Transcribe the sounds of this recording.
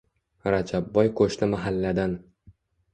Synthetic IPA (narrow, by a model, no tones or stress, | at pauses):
ɾad͡ʒabːɒjkʰɵʃnɪmaɦalːad̪an